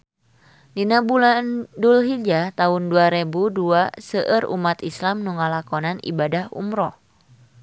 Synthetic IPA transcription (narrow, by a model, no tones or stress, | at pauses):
dinabulandulɦid͡ʒat̪aɦunduaɾebuduasəʔərṵmat̪islamnuŋalakɔnanḭbadahṵmɾɔh